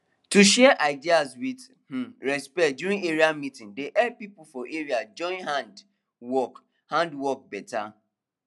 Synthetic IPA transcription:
tuʃɛʔaɪdiaswið | h̩ɹɛspɛt̚duɾĩŋeɾiamitɪ̃ŋdeʔɛd̚pipʊfɔʔeɾiad͡ʒɔ̃ɪ̃nɦãnd | wɔk | hãndwɔk̚bɛta̰

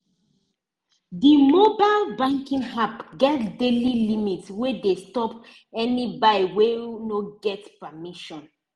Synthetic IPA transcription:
dimobalbãŋkĩŋɦapɡɛtdelilimitswedestɔp | ɛnibawenoɡɛtpəmiʃɔ̃n

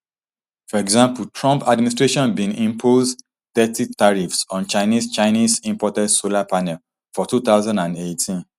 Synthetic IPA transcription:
fɔɹɛɡzãmpultʰɹɔ̃mpadmĩnistɹeʃɔ̃nbĩnĩmpʰoz | t̪ɛtitaɹifsɔ̃nt͡ʃaɪnist͡ʃaɪnizĩmpɔtɛdsolapanɛl | fɔtut̪aʊzãndãndetʰĩn

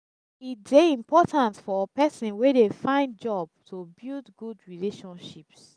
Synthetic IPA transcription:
itdeĩmpɔtãntfɔpɛsĩnwedefãɪ̃ndd͡ʒɔb̚tʰubildɡudɹileʃɔ̃nʃips

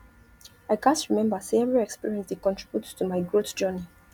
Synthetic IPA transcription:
aɪkãntɹimɛ̃mbəseɛvɹiɛkspiɹiɛ̃nsdəkɔ̃ntʰɹ̥ibjuttumaɪɡɹotd͡ʒɜni

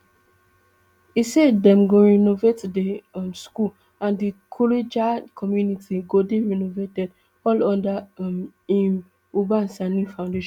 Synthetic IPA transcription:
isɛdɛ̃mɡoɹinovetdeɔ̃mskul | ãndikʰɔled͡ʒakʰɔmjunitʰiɡodeɹinovetɛd | ɔlɔ̃ndam | ĩn | ubãnsanĩfãʊ̃ndeʃɔ̃

